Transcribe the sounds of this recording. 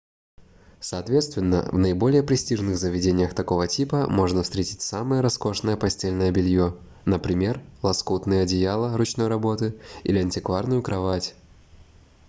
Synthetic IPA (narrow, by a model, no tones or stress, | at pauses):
sɐːt̪vʲet̪st̪vʲɪnːə̰vnəɪbo̞lʲɪjəpɾʲɪsʲtʲiʐnɨɣzəvʲɪdʲenʲɪjəxt̪ɐko̞vətʲipəmo̞ʐnəfst̪ɾʲetʲɪ̥tʲsaməjəɾɐsko̞ʂnəjəpɐsʲtʲelʲnəjəbʲɪlʲjo | nəpɾʲɪmʲe̞rlˠɐskut̪nɨjəɐdʲɪjalˠərʊt͡ɕno̞jɾɐbo̞t̪ɨḭlʲɪɐnʲtʲɪkvarnʊjʊkɾɐvatʲ